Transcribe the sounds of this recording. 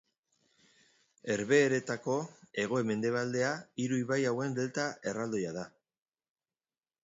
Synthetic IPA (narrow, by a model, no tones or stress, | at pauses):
e̞ɾβe̞ːɾe̞t̪ako̞e̞ɣ̞o̞eme̞nd̪e̞β̞ald̪e̞aiɾuiβajawe̞nb̪e̞lt̪ae̞rald̪o̞jaða